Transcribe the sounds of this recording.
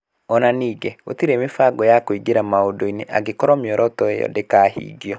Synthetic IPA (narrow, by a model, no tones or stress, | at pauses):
ɔnaniːɡɛo̰tiɾeːmefaɡɔjakoiɡeɾamaodoineʔa̰ɡekɔɾɔmjɔɾʔɔtɔejɔ̰dekaːhḭːɡiɔ